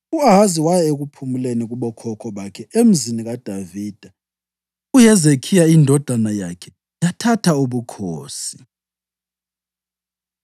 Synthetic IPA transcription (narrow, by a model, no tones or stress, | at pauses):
uaɦaziwajɛeɣ̬upʰumuleniɣ̬uɓɔkʰɔkʰɔɓakʰɛem̩ziniɣad̥ʱaviːd̥ʱa | ujɛzekʰijaindʱɔd̥ʱanajakʰɛ | jatʰatʰauɓukʰoːsi̥